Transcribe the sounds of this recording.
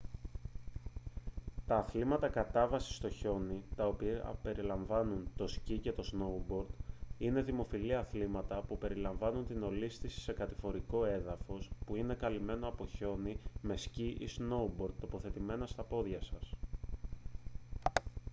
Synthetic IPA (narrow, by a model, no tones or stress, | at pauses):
t̪ɐːθlimɐt̪ɐkɐt̪ɐvɐsi̥st̪o̞ço̞nit̪ɐo̞pḭpe̞ɾilɐɱvɐnunt̪o̞scice̞t̪o̞zno̞ubo̞ɾd̪̥ine̞ðimo̞filiɐθlimɐt̪ɐpupe̞ɾilɐɱvɐnunt̪ino̞list̪isi̥se̞kɐt̪ifo̞ɾiko̞e̞ðɐfo̞spuine̞kɐlime̞no̞ɐpo̞ço̞nime̞sciʔḭsno̞ubo̞ɾd̪̚t̪o̞po̞θe̞t̪ime̞nɐst̪ɐpo̞ðʝɐsɐs